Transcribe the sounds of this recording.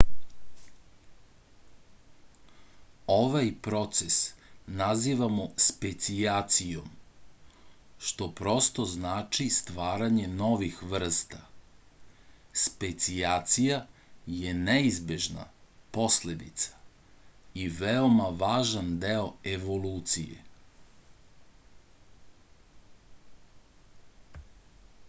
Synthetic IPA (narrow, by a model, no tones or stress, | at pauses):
oʋajpɾo̞t̪sesnaziːʋamospet̪siat̪sijo̞m | ʃt̪o̞pɾo̞st̪o̞znaːt͡ʃist̪ʋaːɾaɲe̞no̞ʋixʋr̩st̪a | spet̪siat̪sijaje̞neizbjeʒna̰po̞sle̞d̪it̪sḁ | iʋeo̞maʋaːʒand̪eoeʋo̞luːt̪sijḛ